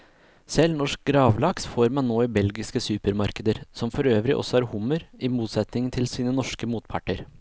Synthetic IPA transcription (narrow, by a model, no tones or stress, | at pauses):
sɛlnɔʂk̚ɡɾɑːʋlɑksfoːɾmɑnnoːɪbɛlɡɪskəsʉːpəɾmɑɾkəd̪əɾsɔmfɔɾøːʋɾɪʔɔ̰sːɔhɑːɾhʊmːəɾɪmuːt̪sɛt̪nɪŋt̪ʰɪlsiːnənɔʂkəmuːt̪pʰɑ̰ʈəɾ